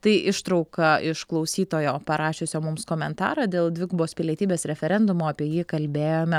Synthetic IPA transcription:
t̪ɐɪʔɪʃt̪ɾɒʊkɐʔɪʃklˠɒʊsʲiːt̪oːjoːpɐɾʔɑːʃʲʊsʲoːmʊmskoːmʲɛnt̪ɑ̰ːɾɑd̪ʲeːlˠd̪ʋʲɪɡboːspʲɪlʲiɛt̪ʲiːbʲeːsɾʲɛfʲɛɾʲɛnd̪ʊmoːɐpʲiɛjiːkɐlʲbʲeːjoːmʲɛ

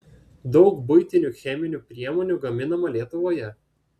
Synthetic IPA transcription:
d̪ɒʊkbʊɪt̪ʲɪnʲuxʲɛmʲɪnʲuːpʲɾʲiɛmoɔːnʲuːɡɐmʲɪnɐmɐlʲiɛt̪ʊʋoːjɛ

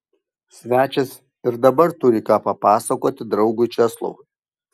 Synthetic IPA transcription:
sʲʋʲæːt͡ʃʲɛs | ɪɾd̪ɐbɐɾt̪ʊɾʲɪkɑːpɐpɑːsɐkoːt̪ʲɪd̪ɾɒʊɡʊɪt͡ʃʲɛslˠo̰ʊ

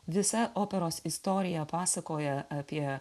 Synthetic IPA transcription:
ʋʲɪsɐʔoːpʲɛɾoːsɪst̪ɔːɾʲɪjɛpɑːsɐkoːjɛɐpʲiɛ

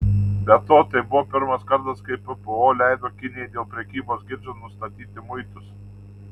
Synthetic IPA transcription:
bʲɛt̪oːt̪ɐɪbʊʋoːpʲɪɾmɐskɐɾt̪ɐskɐɪpɨpɛoːlʲæɪd̪oːkʲɪnʲɪjɛɪd̪ʲeːlˠpʲɾʲɛkʲiːboːsɡʲɪɾʲd͡ʒʲonʊst̪ɐt̪ʲiːt̪ʲɪmʊɪt̪ʊs

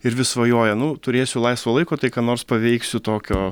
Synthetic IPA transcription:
ɪɾʋʲɪsʋɐjoːjɛnʊt̪ʊɾʲeːsʲʊlˠɐɪsʋoːlˠɐɪkoːt̪ɐɪkaːnoːrspɐʋʲɛɪksʲʊt̪oːkʲoː

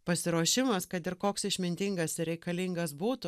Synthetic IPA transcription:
pɐsʲɪɾuːʃʲɪmɐskɐt̪ɪɾkoːksɪʃʲmʲɪnʲt̪ʲɪŋɡɐsɪɾʲɛɪkɐlʲiːŋɡɐsbuːt̪ʊ

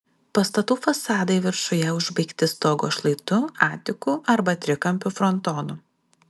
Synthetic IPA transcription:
pɐst̪ɐt̪uːfɐsɑːd̪ɐɪʋʲɪɾʃʊjɛʊʒbɐɪkt̪ʲɪst̪oːɡo̰ːʃlˠɐɪt̪ʊɑːt̪ʲɪkʊɐɾbɐt̪ʲɾʲɪkɐmʲpʲʊfɾɔnt̪ɔːnʊ

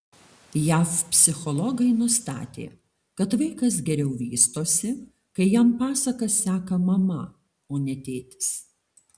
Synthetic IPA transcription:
jæːfpʲsʲɪxɔlˠɔɡɐɪnʊst̪ɑ̰ːt̪ʲḛː | kɐt̪ʋɐɪkɐs̬ɡʲɛɾʲɛʊʋʲiːst̪oːsʲɪ | kɐɪjæmpɑːsɐkɐsʲsʲæːkɐmɐmɐ | oːnʲɛt̪ʲeːt̪ʲɪ̥s

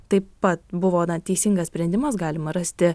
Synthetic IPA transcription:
t̪ɐɪppɐt̪bʊʋoːnɐt̪ʲɛɪsʲɪŋɡɐssʲpʲɾʲɛnʲd̪ʲɪmɐsɡɑːlʲɪmɐɾɐsʲt̪ʲɪ

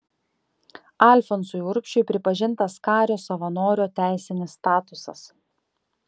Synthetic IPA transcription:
ɑˑlʲfɔnsʊjʊɾkʲʃʲt͡ʃʲʊɪpʲɾʲɪpɐʒʲɪnˑt̪ɐskɑːɾʲoːsɐʋɐnoːɾʲoːt̪ʲæˑɪsʲɪnʲɪsːt̪ɑːt̪ʊsɐ̰s

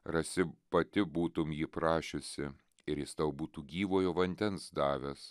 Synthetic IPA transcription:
ɾɐsʲɪpɐt̪ʲɪbuːt̪ʊmjiːpɾɑːʃʲʊsʲɪ | ɪɾjɪst̪ɐʊbuːt̪uːɡʲiːʋoːjoːʋɐnʲd̪ʲɛnsd̪ɑːʋʲɛs

